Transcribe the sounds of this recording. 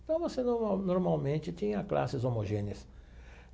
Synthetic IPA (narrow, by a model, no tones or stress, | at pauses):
t̪ɐ̃w̃vosenoɾanoɾmawmẽnt͡ʃ̪ɪt̪ĩɲɐkla̰sɪzomoʒẽnɪɐs